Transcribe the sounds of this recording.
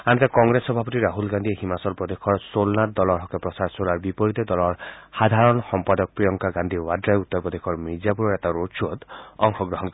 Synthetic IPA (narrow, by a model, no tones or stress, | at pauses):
ant̪akɔŋɡɾesɔbʱapɔt̪iɾaɦulɡand̪ʱieɦimasɔlpɾɔd̪ekʰɔɹsolnatd̪ɔlɔɾɦɔkepɾɔsaɾsolaɾbipɔɾit̪ed̪ɔlɔɹhad̪ʱaɾɔnxɔmpad̪ɔk̚pɾijɔŋkaɡand̪ʱiwadɾajut̪ːɔɾbɔd̪ekʰɔɾmid͡ʒapuɾɔɾet̪aɾosuod̪ɔŋxʰɔɡɾɔɦɔnkɔi